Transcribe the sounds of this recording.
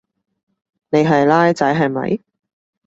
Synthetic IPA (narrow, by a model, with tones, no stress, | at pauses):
ne˨˧jɦɐ˨jlaː˥jt͡sɐ˨˥jɦɐ˨jmɐ̰˨˧j